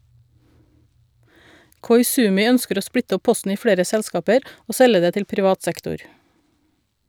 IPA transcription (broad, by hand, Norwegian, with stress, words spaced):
kɔʏˈsʉːmɪ ˈœnskəɾ ˈoː ˈspɽɪtə ˈɔ ˈpɔstn̩ ˈiː ˈfɽeːɾə ˈsɛlskɑːpəɾ ˈoː ˈsɛlə ˈdeː ˈtɪl pɾɪˈʋɑːt ˈsɛktʊɾ